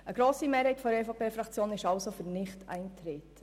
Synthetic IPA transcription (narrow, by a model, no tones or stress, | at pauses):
əɡ̥ɾoːsimeːɾhɛɪtfɔdəɛfopeːfɾɑkt͡sjoːnɪʃɑlsofyɾnɪχtʰɛ̰ɪntɾeːt